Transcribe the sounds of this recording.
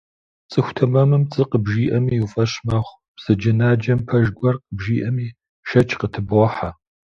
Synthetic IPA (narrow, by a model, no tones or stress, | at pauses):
t͡sʼɨxʷʊtʰɐmɐmɨmt͡sʼɨqəbʒiːʔɐmiːufʼɐɕmɐχʷ | b̥sɨd͡ʒɐnaːd͡ʒɐmpʰɐʒɡʷɔrqəbʒiːʔɐmiː | ʃɐt͡ʃʰqətʰɨbɔħa